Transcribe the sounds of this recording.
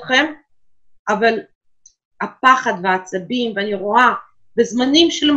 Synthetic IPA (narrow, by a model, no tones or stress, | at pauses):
χem | aval | hapaχad̪veat͡sabimveaniʁoa | bezmanimʃelm